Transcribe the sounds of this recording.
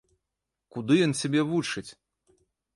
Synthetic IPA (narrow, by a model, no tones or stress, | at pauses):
kud̪ɨjɔnsʲabʲɛvut͡ʂɨt͡sʲ